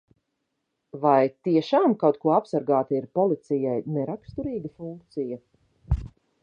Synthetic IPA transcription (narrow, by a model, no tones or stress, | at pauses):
vajt̪iɛʃaːmkawt̪kuɔapsaɾɡaːt̪aiɾpɔlˠit̪sijajnɛɾakst̪uɾiːɡɐfuŋkt̪sijɐ